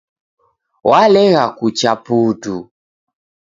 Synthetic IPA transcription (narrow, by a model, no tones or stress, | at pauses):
walɛɣakut͡ʃaputu